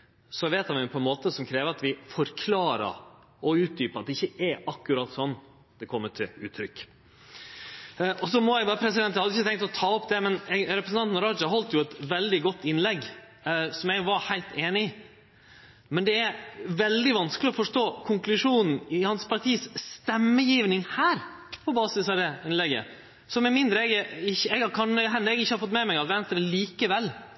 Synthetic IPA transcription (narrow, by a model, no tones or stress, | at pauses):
sɔʋeːt̪hɑnʋɪpʰɔɛnmoːt̪əsɔmkʰɾeːʋəɾɑt̪ʋɪfɔɾkʰlɑːɾə̰ɾ | ɔʉːt̪̚d̪yːpɑt̪̚ɛɪçːəɛɾɑkːʉɾɑːt̪ːsɔnː | d̪̥ɛkʰɔmːəʈʰɪʉːt̪ʰɾʏkː | ʔɔs̬ɔmɔjæɪbɑːɾəpʰɾɛs̬ɪd̪ɛnt̪ːhɑd̪əɪçːət̪ʰɛŋt̪ɔt̪ʰɑːɔpd̪ɛmɛnɾɛpɾəsnɑnt̪nɾɑd͡ʒɑɦɔlt̪jʊɛt̪ʋɛld̪ɪɡɔt̪ːɪnlɛɡ | sɔmjɛɡʋɑɾhæɪlt̪eːnɪ | mɛnd̪ɛæɾʋɛld̪ɪʋɑnskəlɪɔfɔʂʈoːkʰʊŋklʉʂuːnn̩ɪhɑnspʰɑɾʈ̪ʰiːsst̪ɛmːəjiːʋnɪŋhæːɾ | pʰɔbɑːsɪsɑd̪ɛɪnlɛɡə̰ | sɔmɛmɪnd̪ɾəɛɡɪçːəɛɡɑkʰɑnɦɛnːəɾɛɡɪçːəhɑɾfɔt̪mɛmɛɪɡɑt̪ʋɛnst̪ɾəliːkəʋɛlː